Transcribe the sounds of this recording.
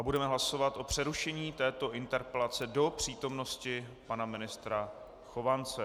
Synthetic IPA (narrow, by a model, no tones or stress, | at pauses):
ʔabudɛmɛɦlaso̞vat̪ʔo̞pr̝̥ɛɾuʃɛɲiːt̪ɛːt̪o̞ʔɪnt̪ɛɾpɛlat͡sɛdo̞pr̝̥iːt̪o̞mno̞scɪpanamɪnɪst̪ɾa | xo̞vant͡sɛ